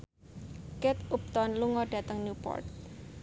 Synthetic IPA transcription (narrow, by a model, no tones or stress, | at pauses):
kɛt̪up̚t̪ɔnluŋɔɖ̥ä̤t̪əŋnjupɔ̰rt̪